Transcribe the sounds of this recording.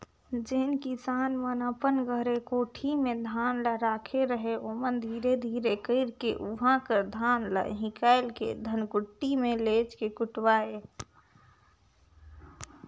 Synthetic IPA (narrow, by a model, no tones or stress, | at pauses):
d͡ʒenkisanmənəpənɡəɦɾekoʈʰimed̪ʱanləɾakʰeɾəɦeʔomənd̪ʱiɾed̪ʱiɾekəɪɾkḛʔuɦãkəɾd̪ʱanlə̰ɦĩkaɪlkḛd̪ʱənkuʈːimelet͡ʃkekuʈwaːe